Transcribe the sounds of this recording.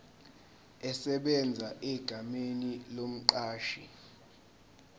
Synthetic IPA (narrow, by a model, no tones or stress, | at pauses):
ɛsɛɓɛnd͡zʱaʔɛɡ̥ʱamenilom̩ǃaːʃi